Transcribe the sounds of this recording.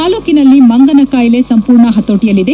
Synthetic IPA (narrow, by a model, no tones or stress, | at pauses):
aːloːkinɐlːimɐŋɡɐnɐkaːjle̞sɐmpuːɾɳɐɦɐt̪ːoːʈijɐlid̪e